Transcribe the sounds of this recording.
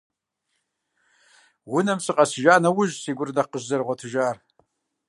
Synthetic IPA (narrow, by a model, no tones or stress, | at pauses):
wʊnɐmsɨqʼɐsɨʒaːnɐwʊʒsiːɡʷʊrdɐqəʑzɐrʁʷɔtʰɨʒaːr